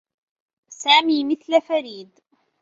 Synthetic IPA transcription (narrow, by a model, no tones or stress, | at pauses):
saːmiːmɪθlafaɾiːd̪